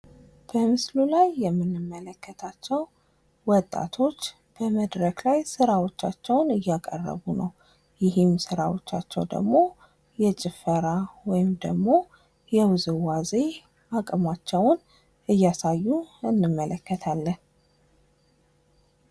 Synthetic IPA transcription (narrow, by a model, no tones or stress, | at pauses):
b̥əmɨslulajːɛmːɨnːɨmːələkːət̪ʰat͡ʃːɛw | wɔt̪ʼːa̰t̪ʰo̞t͡ʃː | b̥əməd̪ɾəklajsɨɾawo̞t͡ʃːat͡ʃːɛwnɨjːakʼə̰rːə̰βunəw | jɪɦɪmsɨɾawot͡ʃːat͡ʃːɛwd̪ə̰ɡmo̞ | jɛt͡ʃʼɪfəɾawɔjɪmd̪əɡmo̞ | jɛwɨzɨwaze | akʼmat͡ʃːɛwʊn | ɨjːasajːuɨnːɨmːələkːət̪ʰalːən